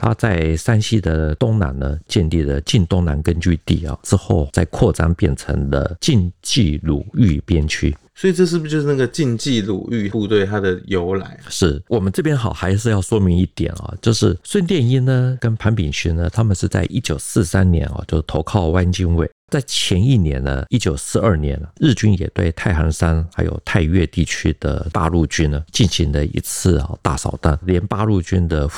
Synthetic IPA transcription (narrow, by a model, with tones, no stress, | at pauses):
t̪ʰa̰˥t͡sa˥˩ɪsa˥nɕi˥d̪ə˨t̪ʊ˥ŋna̰˧˥nnə˦t͡ɕjɛ˥˧nli˥˩d̪ə˩t͡ɕi˥˧nt̪ʊ˥ŋna˧˥nkə˥nt͡ɕy˥˧t̪ḭ˥˨˩ɑ̰˩ʈ͡ʂɻ̩˥xo˥˩ʊt͡sa˥˧ɪkʰwɔ˥˩t͡sɑ̰˥ŋpjɛ˥˩nt͡sʰə̰˧˥ŋd̪ə̰˧t͡ɕi˥˧nt͡ɕi˥˩lṵ˨˩y˥˧pjɛ˥˩nt͡ɕʰy˥swɔ˧˥i˨ʈ͡ʂɤ˥˧ʂ̬ɻ̩˥˩t͡ɕjo˥˧ʊʂ̩˥˧na˥˩ɡə˨˩t͡ɕi˥˧nt͡ɕi˥˩lṵ˨˩y˥˩pu˥˧t̪we˥˩ɪt̪ʰa˥d̪ə˨jo˧˦˥ʊla̰˧˥˦ɪʂɻ̩˥˩wɔ˨˩mə˦nʈ͡ʂɤ˥˩pjɛ˥nxɑ˨˩ʊxa˧˥ɪʂ̬ɻ̩˥˧jɑ˥˩ʊʂwɔ˥mi˧˥ŋi˥˩t̪jɛ̰˨˩˦nɑ̰˨˩t͡ɕjo˥˧ʊʂɻ̩˥˩swə˥˧nt̪jɛ˥˧ni˥nə˧kə˥npʰa˧˥npi˨˩ŋɕʰy˥nnə˧t̪ʰa˥mə˨nʂɻ̩˥˧t͡sa̰˥˩ɪʔi˥t͡ɕjo˨˩ʊsɹ̩˥˩sa˥nnjɛ̰˧˥nxɑ̰˧t͡ɕjo˥˧ʊʂ̩˥˩t̪ʰo˧˥ʊkʰɑ˥˩ʊwa˥nt͡ɕi˥nwe˥˩ɪt͡sa˥˩ɪt͡ɕʰjɛ˧˥ni˥˩njɛ̰˧˥nə̰˧i˥t͡ɕjo˨˩ʊsɹ̩˥˧ə˞˥˩njɛ˧˥nə˧ɻ̩˥˩t͡ɕy˥njɛ̰˨˩t̪we˥˧ɪt̪ʰa˥˩ɪxɑ˧˥ŋsa˥nxa˧˥ɪjo̰˨˩ʊt̪ʰa˥˧ɪɥɛ̰˥˧t̪i˥˩t͡ɕʰy˥d̪̥ə̰˨pa̰˥˧ɻu˥˩t͡ɕy˥nə˧˨t͡ɕi˥˩nɕi˧˥ŋd̪ə˧ḭ˧˥t͡s̩ʰ˥˩xɑ̰˨˩t̪a̰˥˩sɑ̰˨˩ʊt̪a˥˩nljɛ˧˥npa˥˧ɻu˥˩t͡ɕy˥nd̪ə˨